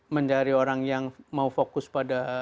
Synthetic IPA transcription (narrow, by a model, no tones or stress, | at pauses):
məɲt͡ʃaɾioɾaŋjaŋmaufokʊspada